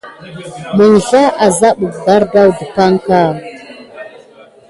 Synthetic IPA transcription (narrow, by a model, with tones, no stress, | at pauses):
mə˨n˨ɬa˦a˨za˦ɓu˨bba˦ɾba˦wdə˨pa˦ŋka˦˨